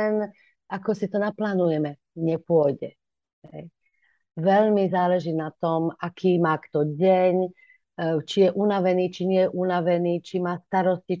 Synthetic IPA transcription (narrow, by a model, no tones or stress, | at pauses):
ɛn | ʔakɔsit̪ɔnaplaːnujɛmɛ | ɲɛpʊɔjɟɛ | ɦɛj | ʋɛʎmizaːlɛʒiːnat̪ɔmakʰiːmaːkt̪ɔɟɛɲ | t͡ʃijɛʔunaʋɛniːt͡ʃiɲɛjɛʔunaʋɛniːt͡ʃimaːst̪aɾɔsci